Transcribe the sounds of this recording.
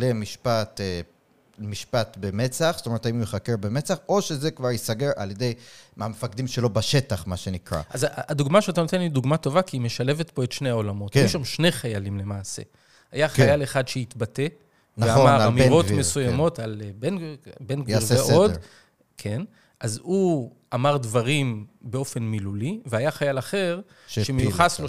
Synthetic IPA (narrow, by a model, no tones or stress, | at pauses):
lemiʃpat̪ | miʃpat̪bemet͡saχstomeʁetaimmeχakeʁbemet͡saχo̞ʃezekvaʁjisaɡeʁʔa̰ljed̪ejmamefakd̪imʃelo̞baʃetaχmaʃenikʁa̰azad̪uɡmaʃeatanot̪enlid̪uɡmato̞vakiime̞ʃale̞vet̪po̞etʃnehao̞lamo̞t̪ajuʃamʃne̞χajalimle̞maːse̞̰ | ajaχajaleχadʃeit̪bate̞ | nveamaʁamiʁo̞t̪mesujamo̞talbenbenɡeʁeod | kʰen | ʔazu | amaʁd̪vaʁimbe̞o̞fe̞nmiluliveajaχajalaχe̞ʁ | ʃʃemejuχaslo